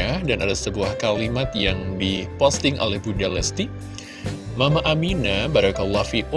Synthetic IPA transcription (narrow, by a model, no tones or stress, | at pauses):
adanadasəbuahkalimat̪̚jaŋdipɔst̪ɪŋʔo̰lɛhbundalɛst̪i | mamaʔaminabaɾakəlːɔhfiku